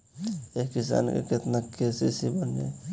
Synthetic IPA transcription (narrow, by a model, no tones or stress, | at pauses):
ekisa̰nkḛket̪nakesisibənḛ